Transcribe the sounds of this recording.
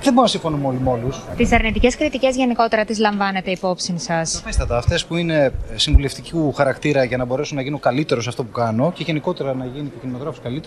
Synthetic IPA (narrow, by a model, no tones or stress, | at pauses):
ðeboɾinɐsĩɱfo̞numo̞limo̞lust̪isɐɾnit̪iceskɾit̪ice̞zʝe̞niko̞t̪e̞ɾɐt̪izlɐɱvɐne̞t̪e̞ipo̞psinsɐsɐfest̪ɐt̪ɐːft̪e̞spuine̞siɱvule̞ft̪icixɐɾɐkt̪iɾɐʝɐnɐbo̞ɾesunːɐʝinuokɐlit̪e̞ɾo̞sɐft̪opukɐno̞ce̞ʝe̞niko̞t̪e̞ɾɐnɐʝinit̪ocinimoðɾɐfo̥skɐlit̪e